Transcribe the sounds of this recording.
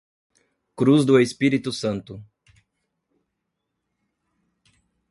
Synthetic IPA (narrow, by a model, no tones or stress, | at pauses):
kɾuzd̪ʊespiɾit̪ʊsɐ̃nt̪ʊ